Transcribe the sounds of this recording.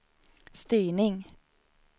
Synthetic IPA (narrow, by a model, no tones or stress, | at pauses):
st̪yːɳɪŋ